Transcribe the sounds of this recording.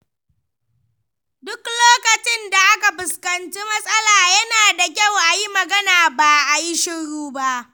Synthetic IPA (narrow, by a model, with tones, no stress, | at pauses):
dʊ˦kloː˦kɐ˨t͡ʃɪ˦nda˨ʔa˦ka˨ɸʊ˨skɐ˨nt͡ʃiː˦mɐ˦sʼɐ˦laː˨jɐ˦naː˨da˨k̬ʲa˦˨wʔa˨ji˦mɐ˨ɡɐ˦naː˨baː˨ʔa˨ji˦ʃɪ˦ɽuː˦ba˦ʔ